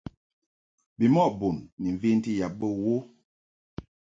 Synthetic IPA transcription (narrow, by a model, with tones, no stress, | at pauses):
bi˨mɔ˦˨bo˨nːi˨ɱ˨vi˦n̩˦ti˦ja˨p̚bə˦wo˦